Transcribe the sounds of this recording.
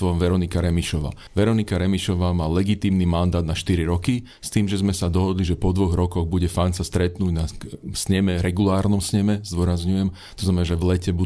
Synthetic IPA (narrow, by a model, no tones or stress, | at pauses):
ʋɔmʋɛɾɔnikaɾɛmiʃɔʋa̰ː | ʋɛɾɔnikaɾɛmiʃɔʋaːmaːlɛɡit̪iːmnimand̪aːd̪naʃt̪iɾiɾɔki | st̪iːmʒɛzmɛsad̪ɔɦɔd̪liʒɛpɔd̪ʋɔɣɾɔkɔɣbuɟɛfansast̪ɾɛt̪nuːɟnasɲɛmɛɾɛɡulaːɾnɔmsɲɛmɛzd̪ʊɔɾazɲujɛm | t̪ɔznamɛnaːʒɛʋlɛcɛbu